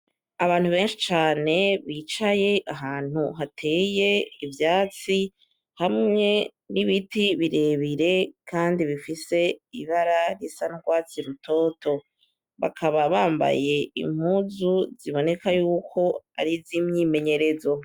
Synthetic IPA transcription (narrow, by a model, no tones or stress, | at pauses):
aβaːnhuβe̞ːnʃi̥t͡ʃaːne̞βiːt͡ʃaje̞ʔaɦaːn̥uɦatʰe̞ːje̞ivjaːt͡si | hamŋe̞ | niβitiβiɾe̞ːβiɾe̞kʰaːndiβifise̞iβaɾaɾisanuɡwaːt͡siɾutʰo̞ːtʰo̞ | βa̰kʰaβaβaːmba̰je̞ḭm̥huzuziβo̞ne̞kajuːkʰo̞a̰ɾizimɲiːme̞ɲe̞ɾe̞zo